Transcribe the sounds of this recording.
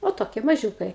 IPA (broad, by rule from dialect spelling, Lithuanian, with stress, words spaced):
oː ˈtoːkʲiɛ mɐˈʒʲuːkɐɪ